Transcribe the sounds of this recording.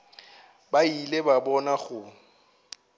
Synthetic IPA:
bailebabɔnaχʊ

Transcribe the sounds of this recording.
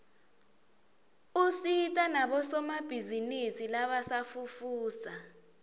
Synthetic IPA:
usitʼanaɓɔsɔmab̥ʱizinisilaɓasafufuːsa

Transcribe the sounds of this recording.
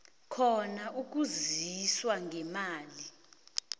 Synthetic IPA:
kʰɔnaʔuk̬uziswaŋɡʱɛmaːli

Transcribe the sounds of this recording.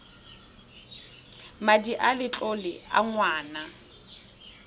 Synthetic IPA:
madiʔalɪt͡ɬʼolɪa̰ŋwaːna

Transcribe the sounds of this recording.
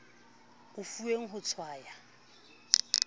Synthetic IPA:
ʊfueŋ̩ɦʊt͡sʰwaːja

